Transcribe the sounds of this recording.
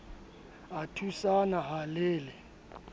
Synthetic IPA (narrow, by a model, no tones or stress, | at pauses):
atʰusanaɦaleːlɛ